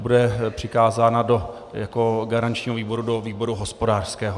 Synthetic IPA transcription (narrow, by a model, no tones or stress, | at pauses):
budɛpr̝̥ɪkaːzaːnado̞ | jako̞ɡaɾant͡ʃɲiːɦoviːbo̞ɾudoviːbo̞ɾuɦospodaːr̥skɛːɦo